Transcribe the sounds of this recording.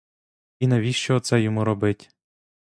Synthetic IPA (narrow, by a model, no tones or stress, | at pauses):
inɛʋʲiʃt͡ʃɔːt̪sɛjɔmuɾɔbɪtʲ